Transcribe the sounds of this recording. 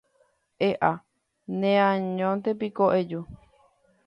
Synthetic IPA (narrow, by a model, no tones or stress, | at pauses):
ʔeʔa | nẽãɲõnt̪epikoʔed͡ʒu